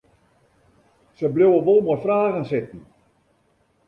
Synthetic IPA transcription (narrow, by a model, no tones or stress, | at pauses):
səblowəʋolˠmɔrfraːɣənsɪtn̩